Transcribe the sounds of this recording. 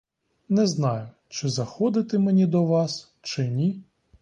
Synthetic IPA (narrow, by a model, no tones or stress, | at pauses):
nɛznɑjʊ | t͡ʃɪzɐxɔd̪ɪt̪ɪmenʲid̪ɔʋɑs | t͡ʃɪnʲi